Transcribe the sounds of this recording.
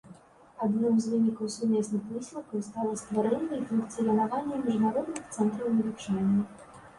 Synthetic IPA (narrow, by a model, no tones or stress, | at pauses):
ad̪nɨmzvɨnʲikɐwsumʲɛsnɨxvɨsʲlʲˠɐkɐwst̪alˠɐst̪vaɾɛnʲːɐifunkt̪sɨjʲɐnavanʲːɛmʲɛʐnaɾɔd̪nɨxt̪sɛnt̪ɾɐwnʲɐlʲit͡ʂɛnʲːɛ